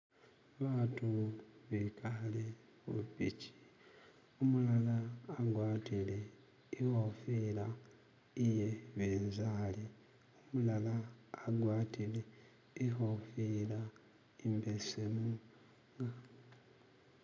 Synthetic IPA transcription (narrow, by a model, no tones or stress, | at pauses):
βaːtuβikale | upici̥ | omulalaːɡwaːtile | ihofila | ije̞βeːnzali | omulalaːɡwaːtile | ihofila | imbesemu | ŋɡa